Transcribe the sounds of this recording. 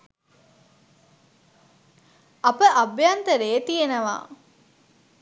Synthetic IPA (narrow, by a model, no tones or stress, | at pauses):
ɐpəʔɐbjaːnt̪ɐɾeːt̪ijenɐʋa̰ː